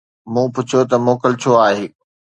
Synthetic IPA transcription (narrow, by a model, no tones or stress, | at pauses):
mũːpʊt͡ɕʰot̪ɐmoːkəlt͡ɕʰoaːɦeː